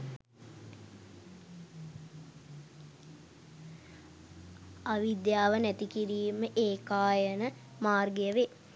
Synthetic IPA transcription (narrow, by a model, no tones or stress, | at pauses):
aʋid̪jaːʋənæt̪ikiɾiːməʔeːkaːjənə | maːrɡəjəʋe